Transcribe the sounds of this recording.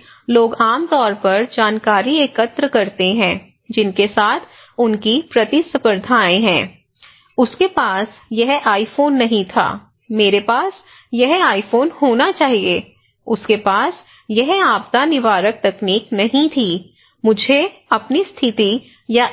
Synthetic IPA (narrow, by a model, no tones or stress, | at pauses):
loːɡaːmt̪ɔːɾpɐɾd͡ʒaːnkaːɾieːkət̪ɾəkɐɾt̪eɦɛ̃ː | d͡ʒɪnkesaːt̪ʰ | ʊnkipɾɐt̪isəpəɾd̪ʱaːẽɦɛ̃ː | ʊskepaːsjɛɦaːifoːnːɐɦĩt̪ʰa̰ː | meːɾepaːs | jɛɦaːifoːnhoːnat͡ʃaːɦieː | ʊskepaːs | jɛɦaːp̚t̪anɪʋaːɾək̚t̪ɛkniːknɐɦĩt̪ʰiː | mʊd͡ʒʱeɐpnist̪ʰɪt̪i | ja